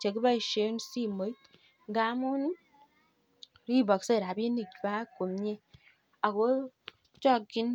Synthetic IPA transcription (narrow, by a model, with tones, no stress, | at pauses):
t͡ʃe˨ki˦ba˦i˨ʃe˨˦n˦si˦˨mo˨˦i˦t | ɡa˦mu˦n˦ | ɾi˦˨bɔ˨kse˦˨ɾa˨be˦ni˦˨kba˦ko˨mɲe˦ | a˨ko˦ | t͡ʃɔ˦˨kɡi˦n